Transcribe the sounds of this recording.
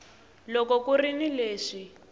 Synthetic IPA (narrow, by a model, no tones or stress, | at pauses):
lɔkɔkurinileːʂi